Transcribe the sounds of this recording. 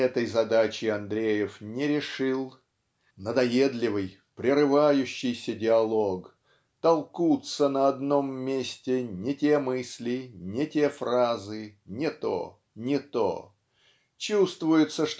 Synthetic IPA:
ɛt̪əjzɐd̪at͡ɕɪɐnd̪ɾʲejɪfnʲɪɾʲɪʂɨlˠ | nəd̪ɐjed̪lʲɪvɨj | pɾʲɪrɨvajʉɕːɪjsʲədʲɪɐlˠok | t̪ɐlˠkut̪sənəɐd̪no̞mːʲesʲtʲɪnʲɪtʲemɨsʲlʲɪnʲɪtʲe̞frazɨnʲɪt̪o̰ | nʲɪt̪o̰ | t͡ɕust̪vʊjɪt̪səʂt̪

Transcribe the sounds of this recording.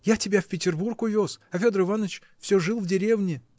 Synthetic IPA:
jatʲɪbʲafʲpʲɪtʲɪrburkʊvʲosɐfʲo̞d̪əɾɨvanət͡ɕ | fsʲɵʐɨlˠvdʲɪɾʲe̞vnʲɪ

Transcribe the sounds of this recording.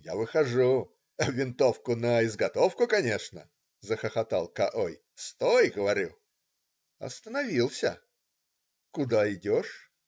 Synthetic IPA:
ja̰vɨxɐʐu | vʲɪnt̪o̞fkʊnəɪzɡɐt̪ofkʊkɐnʲe̞ʂnə̰ | zəxəxɐt̪alˠkɐʔoj | st̪ojɡəvɐɾʲṵ | ɐ̰st̪ənɐvʲilˠsʲə̰ | kʊd̪aɪdʲoʂ

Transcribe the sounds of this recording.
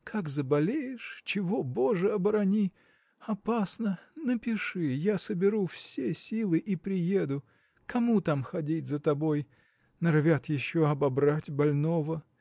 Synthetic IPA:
kʰakzəbɐlʲejɪʂt͡ɕɪvoboʐɨɐbɾɐnʲi | ɐpasnənəpʲɪʂɨjasəbʲɪɾufsʲesʲilˠɨʔipɾʲɪjed̪ʊ | kɐmut̪amxɐdʲitʲzət̪ɐboj | nɐrvʲat̪jɪɕːoɐbɐbɾatʲbɐlʲnovə

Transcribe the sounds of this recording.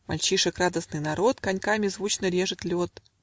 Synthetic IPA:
ma̰lʲt͡ɕiʂəkrad̪əsnɨjnɐɾo̞t̪kɐnʲkamʲɪzvut͡ɕnəɾʲe̞ʐɨt̪lʲot̪̚

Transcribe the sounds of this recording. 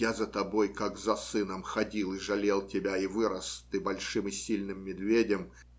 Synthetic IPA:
azət̪ɐbo̞jkakzɐsɨnəmxɐdʲilˠɪʐɐlʲe̞lˠtʲɪbʲaɪvɨɾəst̪ɨbɐlʲʂɨmɨsʲilʲnɨmːʲɪd̪vʲedʲɪm

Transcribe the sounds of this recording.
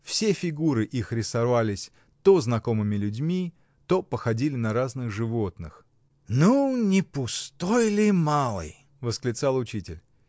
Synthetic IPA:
fsʲefʲɪɡuɾɨʔixɾʲɪsɐvalʲɪsʲ | t̪oznɐko̞mɨmʲɪlʲʉdʲmʲi | t̪opəxɐdʲilʲɪnɐɾaznɨxʐɨvot̪nɨx | nunʲɪpʊst̪o̞jlʲɪmalˠɨ̰j | vəsklʲɪt̪salˠʊt͡ɕitʲɪ̰lʲ

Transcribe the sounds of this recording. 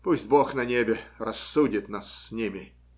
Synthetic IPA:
pusʲt̚ʲboxnɐnʲebʲɪrɐsːudʲɪt̪nasːʲnʲimʲɪ

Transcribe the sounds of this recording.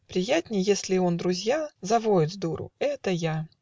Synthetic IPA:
pɾʲɪjætʲnʲɪjjesʲlʲɪond̪ɾʊzʲjazɐvoɪd̪zd̪uɾʊ̰ɛt̪əja

